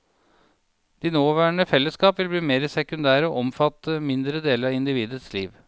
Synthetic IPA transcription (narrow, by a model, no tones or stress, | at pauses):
d̪̥iːnoːʋæːɳəfɛlːəskɑːpʋɪlbliːmeːɾəsɛkʉnd̪æːɾəɔːʔɔmfɑt̪ːəmɪnd̪ɾəd̪eːləɾɑɪnd̪ɪʋiːd̪əsliːʋ